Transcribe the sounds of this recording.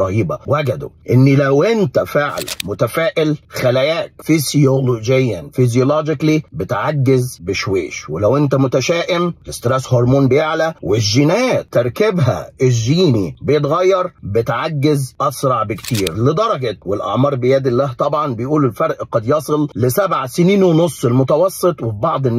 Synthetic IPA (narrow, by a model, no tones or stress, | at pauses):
ɾˤɑhiːbæwæɡæd̪ʊ̰ʔɪnːilæwʔɪnt̪æfeʕlæ̰mʊt̪æfæːʔɪlxælæjæːkfizjolod͡ʒejːænfizjoloːd͡ʒɪklibɪt̪ʕaɡːɪzbɪʃwḛːʃwɪlæwʔɪnt̪æmʊt̪æʃæːʔɪmɪst̪ɾeshoɾˤmoːnbɪjeʕlæwɪʒːɪnæːt̪eɾˤkɪbɦæ̰ɪʒiːnibejet̪̬ɣɑjːɑɾˤbɪt̪ʕaɡːɪzʔɑsɾˤɑʕbɪkt̪iːɾlɪd̪ɑɾˤɑɡɑt̪wɪlʔɑ̰ʕmɑːɾˤbɪjæd̪ɪlːæːht̪ˤɑbʕɑnbɪjʔuːlɪlfɑɾˤʔqɑd̪jɑsˤɨlːɪsæbʕasɪniːnwenosˤːɪlmʊt̪ɑwɑsˤːɨt̪ˤwɪbɑʕd̪ˤɪnː